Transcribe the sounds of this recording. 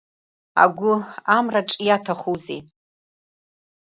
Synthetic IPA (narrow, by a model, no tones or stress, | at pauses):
a̰ɡʷʊamraʈ͡ʂʼijatʰaχuze